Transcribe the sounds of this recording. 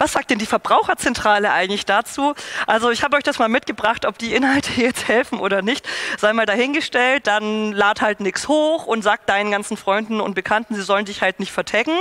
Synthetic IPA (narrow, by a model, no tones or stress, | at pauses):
vasz̥aːk̚t̚d̥ɛndiːfɛɐbʁaʊxɐt͡sɛntʁ̥aːləʔa̰ɪɡŋ̩tlɪçd̥aːt͡suːʔalzoɪçhaːbəʔɔʏçd̥asmaːlmɪt̚ɡ̥əbʁaχtʔɔp̚d̥iːʔɪnɦaltʰəiːjɛt͡sthɛlfn̩ʔoːdɐnɪçtz̥aɪmaːldaːɦɪnɡəʃtɛlt̚d̥anlaːthaltnɪkshoːxʔʊntz̥aːk̚d̥aɪnənɡant͡sn̩fʁ̥ɔʏndn̩ʊ̰nt̚b̥əkʰantn̩ziːzɔləndɪçhaltnɪçtfɛɐtʰɛɡŋ̩